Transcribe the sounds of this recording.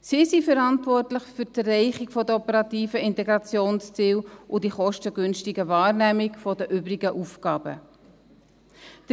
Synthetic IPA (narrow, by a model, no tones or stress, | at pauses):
sisifəɾɑntvɔrtləχfytərːɛɪχɪkfɔdəɔpəɾɑtiːfəɪntɛɡɾɑt͡sjoːnst͡siːwʔʊdiχɔʃtəɡ̥ʏnʃtiɡəvɑːɾnæmɪkfɔdəʔʏbɾiɡəʔufkɑːbə̰ | d̥ə